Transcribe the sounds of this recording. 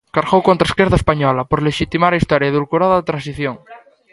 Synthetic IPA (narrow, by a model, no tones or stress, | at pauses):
kaɾɣowkont̪ɾaeskjeɾðaespaɲɔlapoɾleʃit̪imaɾaist̪ɔɾjaiðulkuɾaðoðet̪ɾans̬iθjoŋ